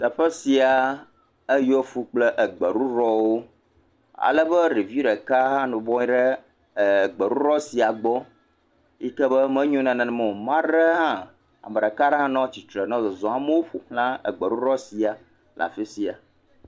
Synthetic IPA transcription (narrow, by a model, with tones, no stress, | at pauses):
t̪ə˨ɸə˦si˨a˨ | ə˦jo˦fu˦k͡plə˦ʔə˨ɡ͡bə˨ɾu˦ɾɔ˦wo˦ | a̰˨lə˦bə˦ɾi˨vi˦ɖə˨ka˦ɦã˦nũ˨bɔ̃˦ɲĩ˦ɖɛ˦˨ | ɡ͡bə˨ɾu˦ɾɔ˦si˨a˨ɡ͡bɔ˦ | i˦kə˦bə˦mɛ̃˦ɲũ˦nã˨nã˨nɛ̃˨mɔ̃˨mã˦ɖə˦ɦã˦ | a̰˨mə̃˨ɖə˨ka˦ɖə˦ɦã˦nɔ̃˦t͡ɕi˨t̪ɾə˨nɔ̃˦zɔ˨zɔ̃˨a˦mə˦wo˦ɸo˨xlã˦ə̰˨ɡ͡bə˨ɾu˦ɾɔ˦si˨a˨ | lʔa̰˨fe˦si˨a˨